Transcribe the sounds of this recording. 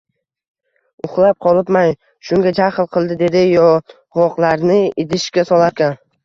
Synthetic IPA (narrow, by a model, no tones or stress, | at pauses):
ʊχlˠap̚qʰɒlˠɪpmaj | ʃʊŋɡʲad͡ʒaχlˠqʰɨlˠd̪ɪd̪e̞d̪ɪjɒ | ʁɒqlˠaɾnɪɪd̪ɪʃkʲasɒlˠaɾkʲan